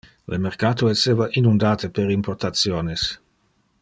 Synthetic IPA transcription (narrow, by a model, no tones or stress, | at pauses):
lemerkaːt̪oeseːvaʔinund̪aːt̪epeɾimport̪at̪sjoːnes